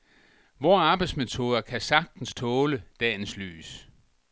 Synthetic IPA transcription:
ʋɒːɑ̈ːb̥ɑɪd̥sme̝t͡sʰo̝ð̞ˠɐkʰæsɑ̈ɡ̥̚d̥n̩st͡sʰɔ̽ːləd̥ɛ̰ːnsly̰ːs

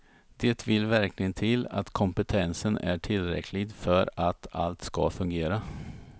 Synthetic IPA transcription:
d̪̥eːt̪vɪlvæɾklɪɡənt̪ʰɪla̰t̪kʰɔmpət̪ʰɛnsənæʈʰɪlːɾɛ̰kʰlɪɡfœɾat̪ʰa̰lt̪ska̰fɵŋɡeːɾa

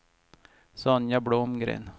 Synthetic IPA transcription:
sɔnjabɽoːmɡɾḛːn

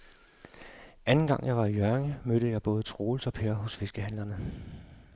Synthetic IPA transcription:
ʔænn̩ɡ̥ɑ̈ŋ̰jɑ̈ɪʋɑ̈ijɶɐŋəmøɾ̥əjɑ̈ɪb̥ɔ̽ːð̞ˠət͡sʰʁo̝ːlsɒ̽pʰeːɐɦɔ̽sfe̝sɡ̥əɦæn̰lɐnə

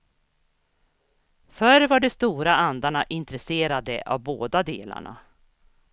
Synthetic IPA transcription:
fœɾvaɖɛst̪uːɾaand̪aɳaʔɪnt̪ɾɛseːɾad̪ə̰ʔa̰vboːd̪ad̪ḛːla̰ɳa̰

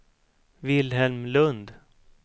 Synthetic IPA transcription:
vɪlɦɛlmlɵnd̪

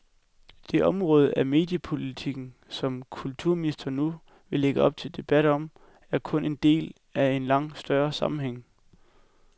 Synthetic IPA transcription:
d̥e̝ʔɒ̽mʁɔ̽ːð̞ˠəæme̝̰ːd̥jəpʰo̝lit͡sʰiɡ̥n̩sɒ̽mkʰult͡sʰuɐ̰minisd̥ɐnu | ʋe̝le̝ɡ̥əɒ̽b̥̚t͡sʰe̝ld̥e̝b̥æɾɒ̽m̰ | æɐkʰɔ̽ne̝nd̥e̝̰ːl | æe̝nlɑ̈ŋ̰̥sd̥ɶɐsɑ̈mm̩ɦeŋ̰

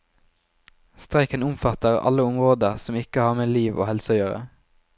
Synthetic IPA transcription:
st̪ʁæɪkənʊmfɑt̪əʁɑ̰ləʊmʁoːd̪əʁsɔmɪkəhɑːʁmeːliːʋʔo̰ːhɛlsjøːʁə̰

